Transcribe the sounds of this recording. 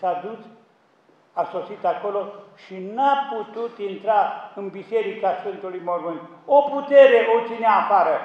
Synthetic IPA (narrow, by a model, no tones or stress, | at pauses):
sad̪us | asosit̪akoloʃinaput̪ut̪int̪ɾaɨnbiseɾikasfɨnt̪ulujmormɨn | oput̪eɾeʔot͡ʃineapaɾə